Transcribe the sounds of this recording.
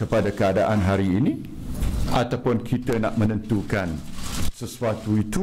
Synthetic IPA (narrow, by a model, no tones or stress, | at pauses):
kəpadakəadaʔanɦaɾiːnĩ | at̪awpʊnkʰit̪əna̰ʔmə̃nə̃nt̪ukansəsuat̪uit̪u